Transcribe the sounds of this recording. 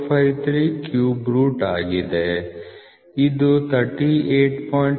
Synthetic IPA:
pʰait̪ɾikjuːbɾuːʈaːɡid̪e | ɪd̪ut̪ʰəɾʈieːʈpɔːɪ̃ɳ

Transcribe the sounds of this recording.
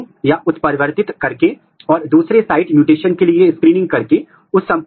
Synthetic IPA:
jaʔʊt̪pəɾʋəɾt̪ɪt̪kɐɾke | ɔːɾd̪uːsɾesaːɪʈmjuːʈeːʃənkelieskɾiːnɪ̃ŋɡ̚kɐɾke | ʊsːɐ̃mp

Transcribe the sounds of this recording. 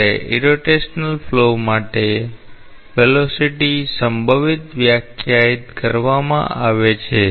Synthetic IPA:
eḭɾoʈeʃnəlflomaʈe | ʋelosiʈisəmbʱəʋit̪ʋjakʰjait̪kəɾʋamã̰ʔaʋet͡ʃʰe

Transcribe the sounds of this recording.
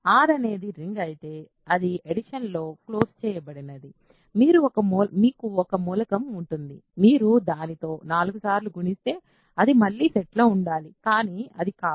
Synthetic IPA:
aːɾɐne̞ːd̪iɾiŋɡɐjt̪e̞ː | ɐd̪ieɽiʂɐnlo̞ːklo̞ːst͡ʃɛːjɐbɐɽinɐd̪i | miːɾuɔkɐmuːlmiːkuɔkɐmuːlɐkɐmuɳʈund̪ḭmiːɾud̪aːnit̪o̞ːnaːluɡusaːɾluɡuɳist̪e̞ː | ɐd̪imɐlːiːseʈloːuɳɖaːlikaːniːɐd̪ikaː

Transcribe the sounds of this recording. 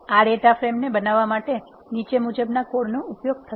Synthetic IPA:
aɽeʈafɾemnebənaʋːamaʈe | nit͡ʃemud͡ʒəbnakoɽnũupjoɡ̚t̪ʰə

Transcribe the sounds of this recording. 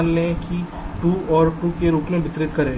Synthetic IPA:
nlẽki | ʈuːɔːɾʈuːkeɾuːpmẽbʱɪt̪ɾɪt̪kɐɾeː

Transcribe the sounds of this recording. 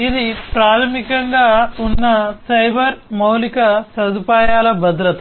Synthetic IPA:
id̪ipɾaːt̪ʰɐmikɐŋɡaːunːɐsɐjbʱɐɾmɐwlikɐsɐd̪upaːjaːlɐbʱɐd̪ɾɐt̪ɐ

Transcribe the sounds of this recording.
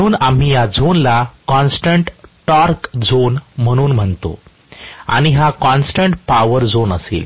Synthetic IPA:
uːnam̤iːjad͡zonlakɔnsʈəɳʈʈɔɾkd͡zonm̤əɽ̃uːnm̤əɳt̪o̰ | a̰ɽ̃iɦakɔ̃nsʈəɳʈpaʋəɾd͡zonəsḛːl

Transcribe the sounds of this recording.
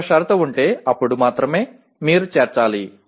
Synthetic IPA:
ɐʃaːɾɐt̪ɐuɳʈe̞ːɐpːuɽumaːt̪ɾɐme̞ː | miːɾut͡ʃeːɾt͡ʃaːli

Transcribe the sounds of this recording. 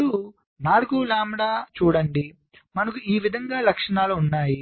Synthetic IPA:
u | naːlukulaːmɽaːt͡ʃuːɽɐɳɖi | mɐnɐkuiːʋid̪ʱɐŋɡaːlɐkʂɐɳaːluːnːaːji

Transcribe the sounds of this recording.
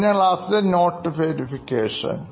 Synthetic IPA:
nɐlaːsdenoːʈːfeːɾifikeːʂɐ̰n

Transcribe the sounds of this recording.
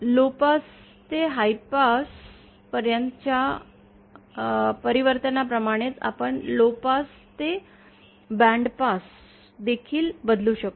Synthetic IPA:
lopas | t̪eɦajpas | pəɾjənt̪t͡ɕja | pəɾiʋəɾt̪ənapɾəmaɽ̃et͡sa̰pəɳlopas | t̪e | bɛ̃ɳɖpas | d̪ekʰiːlbəd̪luːɕək̚t̪o

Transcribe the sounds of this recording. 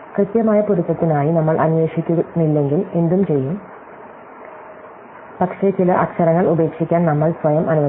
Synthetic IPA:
krɨt̪jɐmaːjɐpuɾuk̪ːɐt̪ːinaːjinɐmːɐɭʔɐnʋeːʂikʲːunilːe̞ŋɡile̞nd̪umt͡ɕe̞jːum | pɐkʂe̞t͡ɕilɐʔɐkʂɐɾɐŋːɐɭube̞ːkʂikʲːaːnnɐmːɐɭsʋɐjɐmʔɐnuʋɐ

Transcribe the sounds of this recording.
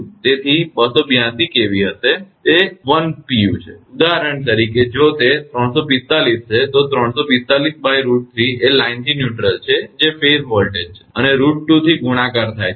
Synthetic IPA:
t̪et̪ʰibəsobjãt̪ikeʋiɦəset̪eʋənpiut͡ʃʰeud̪aɾəɳt̪əɾiked͡ʒot̪et̪ɾəɳsopist̪alist͡ʃʰet̪ot̪ɾəɳ̃sopist̪alisbajɾuʈ̚t̪ʰielaint̪injuʈɾəlt͡ʃʰed͡ʒefeɾʋɔlʈed͡ʒt͡ʃʰe̥əneɾuʈ̚ʈut̪ʰiɡuɽ̃ãkəɾt̪ʰaj

